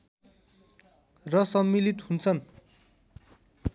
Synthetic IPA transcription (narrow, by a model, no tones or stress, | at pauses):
rʌsʌmːilit̪hunt͡sʰʌn